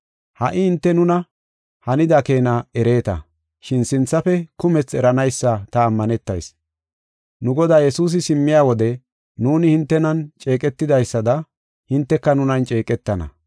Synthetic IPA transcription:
hɐʔɪhɪnt̪ːɛnʊnɐ | hɐnɪd̪akeːnɐɛɾe̞ːt̪ɐ̰ | ʃɪnsɪnt͡sːɐfɛkʊmɛt͡sɛɾɐnɐjsːɐt̪ɐːmːɐnɛt̪ːɐ̰js | nʊɡɔd̪aːjɛsuːs̬ɪsɪmːɪjaːwɔd̪ɛ | nuːnɪhɪnt̪ːɛnɐnt͡ʃʼe̞ːkʼɛt̪ːɪd̪ɐjsːɐd̪ɐ | hɪnt̪ːɛkːɐnʊnɐnt͡ʃʼe̞ːkʼɛt̪ːɐnɐ̰

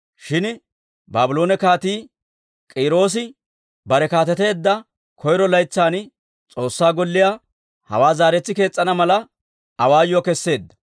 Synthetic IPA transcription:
ʃɪn | baːbɪloːnɛkaːt̪iː | kʼiːɾo̞ːs̬ɪ | bɐɾɛkaːt̪ɛt̪e̞ːd̪ːɐ | kʰɔjɾɔlɐjt͡sːaːn | t͡sʼo̞ːsːaːɡɔlːɪjaː | hɐ̰waːzaːɾɛt͡sːɪke̞ːt͡sʼːɐnɐmɐlɐ | ɐwaːjɔkɛsːe̞ːd̪ːɐ̥

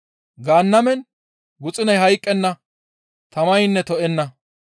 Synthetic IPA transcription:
ɡaːnːɐmɛn | ɡʊt͡sʼɪnɐjɦɐjkʼːɛnːɐ | t̪ɐmɐjnːɛt̪ɔʔɛnːɐ

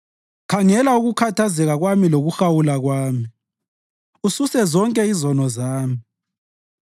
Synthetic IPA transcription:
kʰaŋɛlauɣukʰatʰazɛɣaɣwamiloɣuxawulaɣwaːmi | ususɛzɔŋkʼɛizɔnɔzaːmi

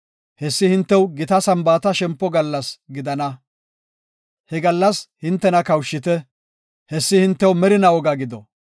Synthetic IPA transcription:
hɛsːɪhɪnt̪ːɛwɡɪt̪ɐsɐmbaːt̪ɐʃɛmpːɔɡɐlːɐsɡɪd̪ɐnɐ | hɛɡɐlːɐshɪnt̪ːɛnɐkɐwʃːɪt̪ɛ | hɛsːɪhɪnt̪ːɛwmɛɾɪnɐwɔɡɐɡɪd̪ɔ

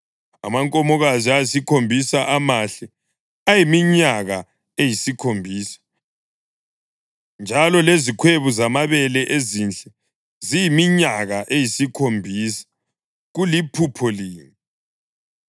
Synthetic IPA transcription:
a̰maŋkʼɔmɔɣaziasikʰombʱisaʔamaɬɛ | ajimiɲaɣa | ejisikʰombʱiːsḁ | nd͡ʒʱalɔlezikʰweβuzamaβɛlɛʔezint͡ɬʼɛ | zijimiɲaɣaʔejisikʰombʱiːsḁ | ɣulipʰupʰɔliːŋi

